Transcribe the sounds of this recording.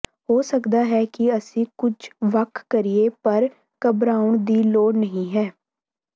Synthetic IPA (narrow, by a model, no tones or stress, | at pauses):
ɦoːsəkd̪aːɦɛːkɪəsĩːkʊd͡ʒʋəkʰkəɾieːpəɾ | kəbɾaːʊɳd̪iːloːɽnəɦĩːɦɛː